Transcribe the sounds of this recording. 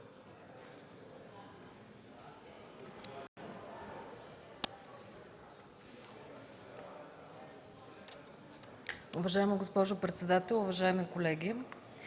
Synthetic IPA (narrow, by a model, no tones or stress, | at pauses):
ʊvɐʒaɛməɡospɔʒʊpɾɛt̪sɛd̪at̪ɛlˠʊvɐʒaɛmikolɛɡʲi